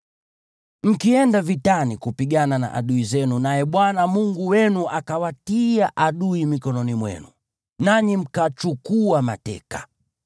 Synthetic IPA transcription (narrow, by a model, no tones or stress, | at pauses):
m̩kiɛndavitanikupiɡanana̰ʔa̰ɗuizɛnunajɛɓwanamuŋɡuwɛnuʔakawatiaʔaɗuimikɔnɔnimwɛ̰nu | naɲim̩kat͡ʃukuama̰tɛ̰kḁ